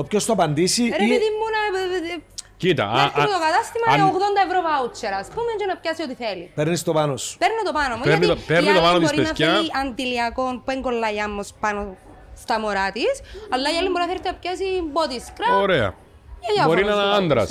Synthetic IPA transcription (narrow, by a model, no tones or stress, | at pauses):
opçost̪oɐpɐnd̪isiɾeðimːunɐ | cit̪ɐ̰et̪okɐt̪ɐst̪imɐoɣðond̪ɐevɾovɐut͡ʃːeɾɐspumend͡ʒonɐpçɐsiot̪iθelipeɾnist̪opɐnospeɾnot̪opɐnomuenit̪peɾnnit̪opɐnot̪oɾienɐfkɐʔɐnd̪iliɐko̞npueŋɡolːɐjɐmːospɐno | st̪ɐmoɾɐt̪isɐlːɐijɐlːimboɾinɐθeɾt̪iɐpçɐsimbot̪iskɾɐoɾeɐ̰ | ejbɐoɾinɐɐɐnd̪ɾɐ̰s